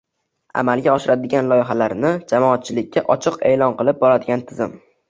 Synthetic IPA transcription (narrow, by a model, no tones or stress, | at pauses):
a̰malɡʲaɒʃɪɾad̪ɪɡʲanlˠɒjɪɦalaɾnɪd͡ʒamɒːt̪̚t͡ʃʰɪlɪkʲʰːaʔɒt͡ʃʰɨqe̞̰lɒnqɨlˠɪp̚bɒɾad̪ɪɡʲant̪ʰɪzɪ̰m